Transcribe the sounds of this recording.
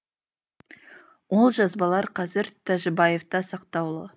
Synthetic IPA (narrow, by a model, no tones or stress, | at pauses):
wo̞lˠʒɑzbɑlˠɑɾqʰɑzɪɾt̪ʰæʒɪbɑje̞ft̪ɑsɑqt̪ɑwlˠə̰